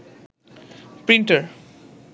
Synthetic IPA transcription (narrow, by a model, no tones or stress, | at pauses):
pɾiɳʈəɾ